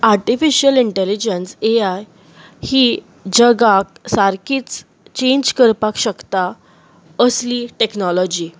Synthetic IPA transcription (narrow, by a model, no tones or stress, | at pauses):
aɾʈifiɕəliɳʈɛlid͡ʑenseaj | hiː | d͡ʑəɡak̚saɾkʰiːt͡s | t͡ɕẽɲd͡ʑkəɾpakɕəkt̪a | əsliʈeknɔlɔd͡ʑiː